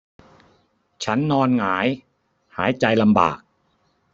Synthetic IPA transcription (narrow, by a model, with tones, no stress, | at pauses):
t͡ɕʰa˦˥nːɔː˧nŋaː˩˦j | haː˩˦jt͡ɕa˧jla˧mba̰ː˨˩k̚